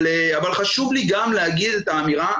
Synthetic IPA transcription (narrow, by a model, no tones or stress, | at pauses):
le | avalχaʃuvliɡamlehaɡid̪et̪aːmiʁa